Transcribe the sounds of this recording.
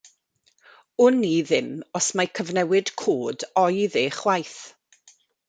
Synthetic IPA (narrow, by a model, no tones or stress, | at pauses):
ʊniðɪmɔsmajkʰəvnɛwɪd̥kʰoːdɔjðeːχwajθ